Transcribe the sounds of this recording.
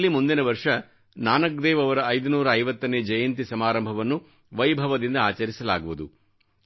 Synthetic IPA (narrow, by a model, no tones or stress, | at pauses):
lːimund̪inɐʋɐɾʂɐ | naːnɐk̚d̪ɛːʋɐʋɐɾɐːjd̪unuːɾɐːjʋɐt̪ːɐnːeːd͡ʒɐjɐnt̪isɐmaːɾɐmbʱɐʋɐnːu | ʋɐjbʱɐʋɐd̪ind̪ɐaːt͡ʃɐɾisɐlaːɡuʋud̪u